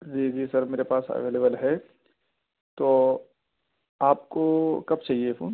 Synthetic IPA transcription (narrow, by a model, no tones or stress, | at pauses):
d͡ʒiːd͡ʒiːsɐɾmeːɾepaːsə̰ʋeːleːbəlɦɛ | t̪oː | aːp̚kokɐb̚t͡ʃaːɦiefʰo̰ːn